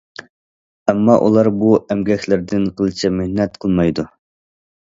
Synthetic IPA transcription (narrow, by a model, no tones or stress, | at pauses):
ɛmːɑʔṵlˠɑɾbuʔɛmɡʲɛkʲlɪɾd̪ɪnqʰəlˠɨt͡ʃʰɛmɪhnɛt̪̚qʰəlˠmɑjd̪u